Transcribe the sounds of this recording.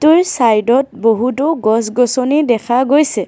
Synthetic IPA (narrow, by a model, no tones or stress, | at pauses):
tʊɹsajdɔt̚boɦutʊɡɔs̬ɡɔsɔnidɛkʰaɡojsɛ